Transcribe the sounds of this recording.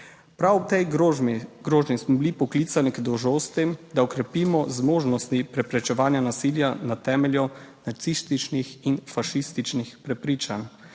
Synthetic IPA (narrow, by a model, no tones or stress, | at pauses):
pɾawɔt̪ɛj | ɡɾoːʒnismɔbilipɔklit̪saniɡd̪ɔwʒoːst̪emd̪aɔkɾɛpiːmɔzmoːʒnɔst̪ipɾɛpɾɛt͡ʃɛʋaːnjanasiːljanat̪ɛːmɛljɔnat̪sist̪it͡ʃnixinfaʃist̪it͡ʃnixpɾɛpɾiːt͡ʃan